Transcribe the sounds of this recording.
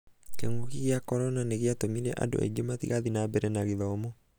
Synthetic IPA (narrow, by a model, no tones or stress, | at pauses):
keŋɡokiɣeakɔɾɔnaneɣeatomiɾɛ̰ʔa̰do̰ʔḛɡematḭɣaðinabɛɾɛnaɣiðɔːmɔ